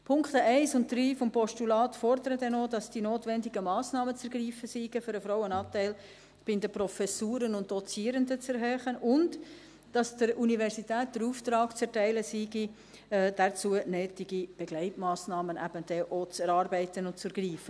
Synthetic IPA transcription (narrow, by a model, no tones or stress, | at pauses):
pʰʊŋkχt̪əɛɪsʊnt̚dɾiːfɔmpɔʃtulɑːtfɔɾdəɾədɛnodɑsd̥inoːtʋɛndiɡəmɑːsnɑːmət͡sɛɾɡriːfəsiɡ̥əfʏɾəfɾɔwənɑːtæɪl | b̥ɪnd̪əprɔfɛsuːɾənʊnt̚d̥ɔt͡siːəɾəndət͡sɛɾɦøːχənʊnd | d̥ɑsd̥əɾunivɛɾsitæːt̚d̥əɾuːft̪ɾɑːkt͡sɛɾtæɪləsiɡi | ɛd̥ɛt͡suənøːtiɡib̥ɛɡ̥lɛɪtmɑːsnɑːmənʔæ̰b̥əd̥ɛʔot͡sɛɾɑːɾbɛɪtənʊntt͡sɛɾɡ̥riːfə